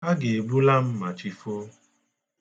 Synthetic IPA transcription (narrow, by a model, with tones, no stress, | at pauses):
a˦ɡe˨e˨bu˦la˦m̩˦ma˨t͡ʃi˦fo˦